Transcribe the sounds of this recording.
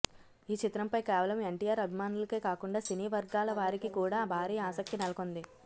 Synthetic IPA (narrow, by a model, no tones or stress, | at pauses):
iːt͡ʃit̪ɾɐmpɐjkɛːʋɐlɐme̞ɳʈiːjaːɾɐbʱimaːnulɐkeːkaːkuɳɖaːsiniːʋɐɾɡaːlɐʋaːɾikikuːɽaːbʱaːɾiːjɐaːsɐk̚t̪inɐlɐkond̪i